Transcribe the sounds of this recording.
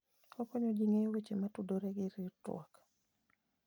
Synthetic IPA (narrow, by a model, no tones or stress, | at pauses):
ɔkɔɲod͡ʒiŋewet͡ʃematudoɾɛɡɪɾitw̰a̰k